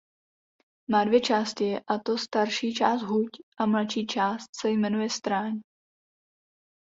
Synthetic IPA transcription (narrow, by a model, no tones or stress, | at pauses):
maːdvjɛt͡ʃaːst̪ɪɛʔat̪ost̪aɾʃiːt͡ʃaːst̪ɦucʔamlat͡ʃiːt͡ʃaːst̪̚sɛjmɛnujɛst̪ɾaːɲ